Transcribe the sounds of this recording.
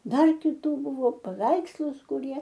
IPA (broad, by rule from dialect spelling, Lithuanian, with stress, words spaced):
ˈdɐr kʲɪˈtuː ˈbʊʋoː pɐˈʋʲɛɪkslˠʊs kʊˈrʲiɛ